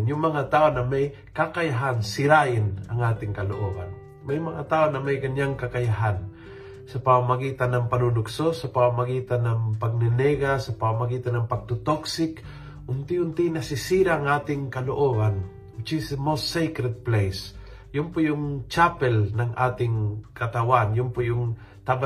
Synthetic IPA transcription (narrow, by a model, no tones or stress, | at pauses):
njʊŋmɐŋat̪aːonɐmaj | kakajaɦansɪɾaʔɪnɐŋʔaːt̪ɪŋkɐlo̰ʔoɡa̰n | majmɐŋat̪aːʔonɐmajkɐɲaŋkɐkɐjaɦan | sɐpamamaɡiːt̪anɐŋpɐnunʊksosɐpamamaɡiːt̪anaŋpaɡ̚nɪnɛɡasɐpamamaɡiːt̪anɐŋpaɡ̚t̪ʊt̪oksɪk | ʔʊnt̪ɪʊnt̪ɪnɐsɪsiɾaːŋʔaːt̪ɪŋkɐloʔoɡan | ʊt͡ʃismost̪ːejkɾɛd̪̚plɛjs | jʊmpʊjʊŋt͡ʃapɛlnɐŋʔa̰ːt̪ɪŋkɐt̪awanjʊmpʊjʊŋ | t̪aba